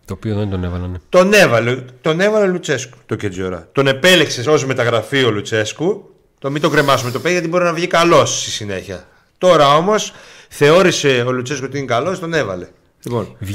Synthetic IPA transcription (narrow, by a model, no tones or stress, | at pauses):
t̪oːpioðent̪onevɐlɐnet̪o̞ne̞vɐlet̪o̞ne̞vɐleolut͡se̞sku̥t̪oced͡zo̞ɾɐ̰t̪o̞ne̞pe̞le̞kse̞so̞zme̞t̪ɐɣɾɐfiolut͡se̞sku | t̪omit̪o̞ɡɾemɐsume̞t̪ope̞ziʝɐt̪ibo̞ɾinɐvʝikɐlo̞sst̪isine̞̰çiɐ̰ | t̪o̞ɾɐo̞mo̞s | θe̞o̞ɾise̞olut͡se̞skusot̪iinekɐlo̞st̪o̞ne̞vɐ̰le̞ | lipo̞̰nv